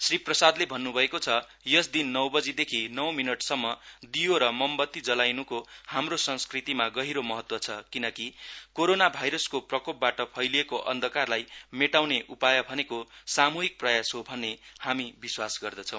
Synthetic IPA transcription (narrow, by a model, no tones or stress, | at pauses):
sriprʌsad̪lebʱʌnːubʱʌekot͡sʰʌ | jʌsd̪inːʌwbʌd͡zid̪ekʰinʌwminʌʈsʌmːʌd̪ijoɾʌmʌmbʌt̪ːid͡zʌlajnukohamrosʌ̃nskrit̪imaɡʌɦiɾomʌɦʌt̪wʌt͡sʰʌkinʌkikoɾonabʱajɾʌskoprʌkop̚baʈʌpʰʌjliekoʔʌnd̪ʱʌkarlajmeʈawneʔupajʌbʱʌnekosamuɦik̚prʌjasɦobʱʌnːehamibiswasɡʌrd̪ʌt͡sʰʌ̃w̃